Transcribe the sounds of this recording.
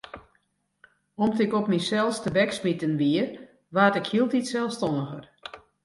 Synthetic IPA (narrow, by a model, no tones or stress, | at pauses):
ɔmtɪkɔpmisɛlˠstəbɛksmitənʋiər | ʋaːtɪkhilˠtitsɛlˠfstɔnəɣər